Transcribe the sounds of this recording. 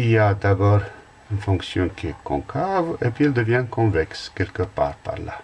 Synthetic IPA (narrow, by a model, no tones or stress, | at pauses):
iliad̪abɔːʁ | ynfɔ̃ksjɔ̃kiekɔ̰̃kʰavepɥiɛld̪əvjɛ̃kɔ̃vɛkskɛlkəpa̰ːʁpa̰ʁla̰